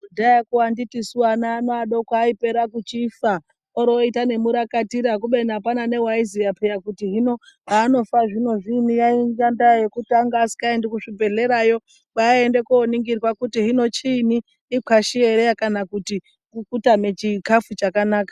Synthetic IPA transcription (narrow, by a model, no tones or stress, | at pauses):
udajakuwanditisuwanaːnoaɗokwaːipe̞ɾakut͡ʃifa | oɾoitane̞muɾakatiɾakuɓenaapanane̞waizijapʰejakutiɦino̞ | aːno̞faʐino̞ʐinijaiŋɡandajekutaŋɡaːsi̥kaendikuʂibe̞ɮe̞ɾajo̞ | ɓaaendekoːniŋɡirwakutiɦino̞t͡ʃiniː | kʰaʃieɾejakanakuti | kukutamet͡ʃikafut͡ʃakanaːkḁ